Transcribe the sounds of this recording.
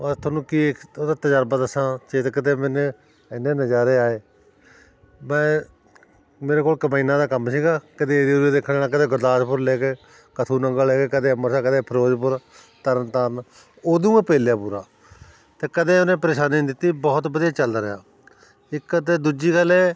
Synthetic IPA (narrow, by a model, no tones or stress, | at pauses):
ət̪ʰoːnũːkiːeoːd̪aːt̪əd͡ʒəɾbət̪əsãːt͡ʃeːt̪kəd̪eːmeːneː | ɪnːẽːnəd͡ʒaːɾeːaːeː | mɛ̃ː | meːɾeːkoːkəmaːiːnãːd̪aːkəmsiːɡaːkəd̪eːeːd̪iːoded̪eːkʰːɽeːnãːkəd̪eːɡəɾd̪aːʃpʊɾleːkeː | kət̪ʰuːnəŋɡəleːkeːkəd̪eːəməɾsaːkəd̪eːpʰəɾoːd͡ʒpʊɾ | t̪əɾənt̪aːn | oːd̪ũːẽːpeːljaːpuːɾa̰ː | t̪eːkəd̪ẽːonẽːpəɾeːʃaːniːd̪ɪt̪ːiːbɔːt̪bəd̪ijaːt͡ʃəld̪aːɾɪja̰ː | ɪkːəd̪eːd̪uːd͡ʒiːɡəlɛː